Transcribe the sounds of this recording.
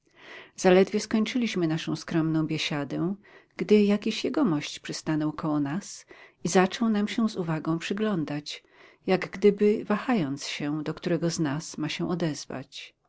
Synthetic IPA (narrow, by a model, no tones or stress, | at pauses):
z̥alɛd̪vʲjɛskɔɲt͡ʂɘlʲiɕmɘnaʂɔ̃w̃skɾɔmnɔ̃w̃bʲjɛɕad̪ɛ̃ | ɡ̥d̪ɘjakʲiɕjɛɡɔmɔɕt͡ɕpʂɘst̪anɔwkɔwɔnasizat͡ʂɔwnamɕɛzuvaɡɔ̃w̃pʂɘɡlɔnd̪at͡ɕ | jaɡɡd̪ɘbɘvaxajɔnt̪sɕɛd̪ɔkt̪uɾɛɡɔznasmaɕɛ̃ʔɔd̪ɛz̥va̰t͡ɕ